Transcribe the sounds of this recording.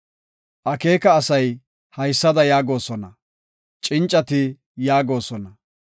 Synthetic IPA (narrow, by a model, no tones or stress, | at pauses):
ʔɐkeːkɐːsɐj | hɐjsːɐd̪ɐjaːɡo̞ːsɔnɐ | t͡ʃʼɪnt͡ʃʼːɐt̪ɪ | jaːɡo̞ːsɔnɐ